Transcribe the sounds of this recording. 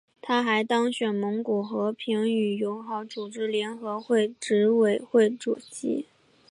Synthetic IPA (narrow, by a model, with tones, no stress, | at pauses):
t̪ʰa˥xa˧˥ɪt̪ɑ˥ŋɕɥɛ˨˩nmɤ˧˥ŋku˨˩xɤ˧˥pʰi˧˥ŋy˨˩jo˧˥ʊxɑ˧˥ʊt͡su˨˩ʈ͡ʂɻ̩˥ljɛ˧˥nxɤ˧˥xwe˥˩ɪʈ͡ʂɻ̩˧˥we˨˩ɪxwe˥˩ɪʈ͡ʂu˨˩t͡ɕḭ˧˥